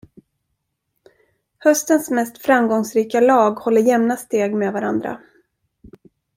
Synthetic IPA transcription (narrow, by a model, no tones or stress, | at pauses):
hœst̪ənsmɛst̪fɾamɡɔŋsɾiːkalɑːɡhɔlːəɾjɛmnast̪eːɡmevaɾand̪ɾa̰